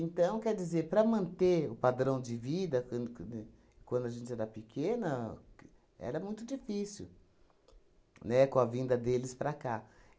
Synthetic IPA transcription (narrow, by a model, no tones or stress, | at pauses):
ẽnt̪ɐ̃w̃kɛɾd͡ʒizeɾpɾɐmɐ̃nt̪eʊpad̪ɾɐ̃w̃d͡ʒɪvid̪ɐk̪ | kwɐ̃nd̪ʊɐʒẽnt͡ʃɪɛɾɐpɪkʰẽnɐ | ɛ̰ɾɐmũj̃t̪ʊd͡ʒifisḭ | nɛkõɐvĩnd̪ɐd̪elɪspɾaka